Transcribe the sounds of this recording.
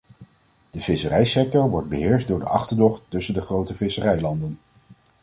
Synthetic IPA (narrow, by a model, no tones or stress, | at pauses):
d̥əv̥ɪsərɛjsɛk̚tɔɹʋɔɹd̚bəɦɪːɹsdʊːɹdə̰ʔɑχtəɹdɔχɵsəndəχrowtəvɪsərɛjlɑndən